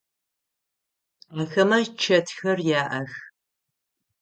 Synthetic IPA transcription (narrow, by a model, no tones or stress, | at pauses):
aːxɐmɐt͡ʃʰɐtʰxɐrjaːʔɐx